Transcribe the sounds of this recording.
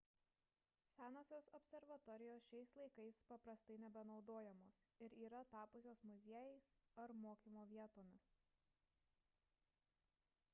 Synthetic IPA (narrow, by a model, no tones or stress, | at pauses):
sʲæːnoːsʲoːsɔpʲsʲɛɾʋɐt̪ɔɾʲɪjoːsʃʲɛɪslˠɐɪkɐɪspɐpɾɐst̪ɐɪnʲɛbʲɛnɒʊd̪oːjɛmoːsɪɾiːɾɐt̪ɑːpʊsʲoːsmʊzʲeɛjɛɪsɐɾmoːkʲiːmoːʋʲiɛt̪oːmʲɪs